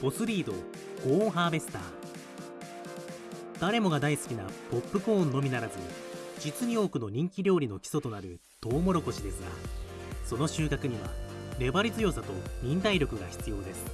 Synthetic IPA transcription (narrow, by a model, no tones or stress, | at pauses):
b̥o̞sɨɾʲiːd̪o̞̰ | ɡ̥õ̞ːɦaːbe̞sɨ̥t̪a̰ː | d̪̥aɾe̞mo̞ɡad̪aisɨ̥kʲinapo̞pːɯ̟kõ̞ːnːo̞mʲinaɾazɨɲ̟id͡ʑit͡sɨɲ̟io̞ːkɯ̟no̞ɲ̟ĩŋkʲiɾʲo̞ːɾʲino̞kʲi̥so̞t̪o̞naɾɯ̟ | d̪̥o̞ːmo̞ɾo̞ko̞ɕid̪e̞sɨɡa̰so̞no̞ɕɨːkakɯ̟ɲ̟iβa̰ɾe̞baɾʲit͡sɨjo̞ːsat̪o̞ɲ̟ʲĩnt̪aiɾʲo̞kɯ̟ɡaçi̥t͡sɨjo̞ːd̪e̞sɨ̥